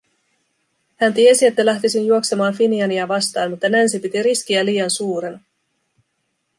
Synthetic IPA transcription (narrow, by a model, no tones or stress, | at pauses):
hænt̪ie̞sie̞t̪ːælæht̪isinjuo̞ksemɑːnfiniɑniæʋɑst̪ɑːnmut̪ːɑnænsipit̪iɾiskiæliːjɑnsuːɾenɑ